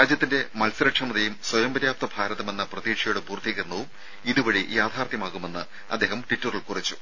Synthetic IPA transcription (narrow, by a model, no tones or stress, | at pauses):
aːd͡ʑjɐt̪ːinde̞mɐlsɐɾɐkʂɐmɐðejumswɐjɐmbɐɾjaːp̚t̪ɐbʱaːɾɐðɐme̞nːɐprɐðiːʂɐjuɽebuːrt̪ʰːiɣɐrnɐʋum | iðuʋɐɻijaːd̪ʰʱaːrt̪jɐmaːɣume̞nːɨ | ɐ̰d̪ːe̞ːɦɐmʈitːurilkurit͡ɕːu̥